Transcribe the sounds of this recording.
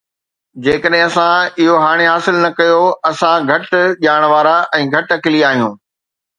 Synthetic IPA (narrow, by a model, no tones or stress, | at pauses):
d͡ʑeːkəɗɦɪ̃ɐsãɪɦoɦaːɽ̃eɦaːsɪlnɐkɐjoɐsãɡʱɐʈʄaːɽ̃ʋaːɾaʔɛ̃ːɡʱɐʈɐkɪliaːɦijũː